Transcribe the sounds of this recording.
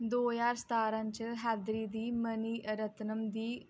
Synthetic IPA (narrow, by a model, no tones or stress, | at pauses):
d̪oːjaːɾst̪aːɾãnt͡ʃəɦɛːd̪ɾiːd̪iːməniːʔɾət̪nəmd̪iː